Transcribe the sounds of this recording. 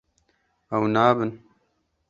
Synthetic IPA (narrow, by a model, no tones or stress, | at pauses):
ɐwnaːbɨn